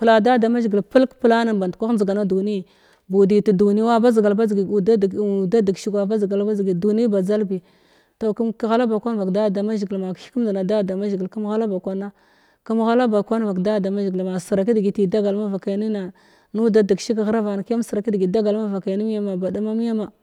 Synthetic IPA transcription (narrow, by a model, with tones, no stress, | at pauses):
pla˨da˦˨da˨ma˦ʒɡi˨lpə˦lkpə˦la˦na˨ba˨n˨tkʷa˦zi˨ɡa˨na˦du˨ni˦˨ | bu˨di˨ti˨du˨ni˦a˦ba˦zɡa˨lba˦zɡi˨da˦˨da˦di˨ɡʃi˦kwa˨ba˦zɡa˨lba˦zɡi˨du˨ni˦ba˨d͡za˦lbi˨ | to˨ku˦mkɣa˦la˦ba˨kʷa˦n˦va˨kda˦˨da˨ma˦ʒɡi˨lma˨ki̥˦ku˦m˦da˨na˨da˦˨da˨ma˦ʒɡi˨lka˦m˦ɣa˦la˦ba˨kʷa˦na˦ | ka˦m˦ɣa˦la˦ba˨kʷa˦n˦va˨kda˦˨da˨ma˦ʒɡi˨lma˨sə˨ɾa˨k̬i˦dɡi˨ti˨da˦ɡa˨lma˦va˨ka˨˦ni˦na˨ | nu˦da˦da˨ɡʃi˦k̬ɣa˦ɾa˦va˨na˨ka˦m˦sə˨ɾa˨ki˦dɡi˨da˦ɡa˨lma˦va˨ka˨ni˦m˦ja˦ma˨ba˨da˦ma˦mi˦ja˦ma˨